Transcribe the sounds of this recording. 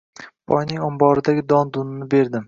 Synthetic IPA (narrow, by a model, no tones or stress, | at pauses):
b̥ʰɒ̰jnɪŋɒmbɒɾɪd̪aɡʲɪd̪ɒnd̪ʊnɪnɪbe̞ɾd̪ɪm